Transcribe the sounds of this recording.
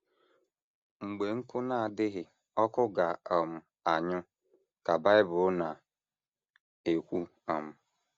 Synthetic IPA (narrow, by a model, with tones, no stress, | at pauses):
ŋ͡m̩˨ɡ͡be˨ŋ̩˦kʊ˦na˨dɪ˦ɦɪ˨ | ɔ˦kʊ˦ɡa˨ɔ˨m̩˨ | a˨ɲʊ˦ | ka˨ba˦ɪ˦bʊ˨˦na˨ | e˨kʷu˦ | ɔ˨m̩˨